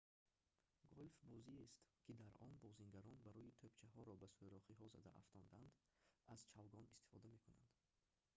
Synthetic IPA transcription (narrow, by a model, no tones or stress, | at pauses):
ɡolfbɔziest̪kʰid̪aɾɔnbɔziŋɡaɾɔnbaɾɔit̪ʰøbt͡ʃʰaɦɔɾɔbasujɾɔχiɦɔza̰d̪a̰ʔa̰ft̪ʰɔnd̪and̪ | azt͡ʃʰavɡɔnist̪i̥fɔd̪ame̞kʰuna̰nd̪